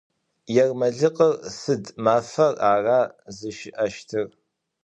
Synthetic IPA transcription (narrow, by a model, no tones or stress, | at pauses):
jɛrmɐɮɨqʼərsɨdmaːfɐraːraːzɨʃɪʔɐʃtʰɨr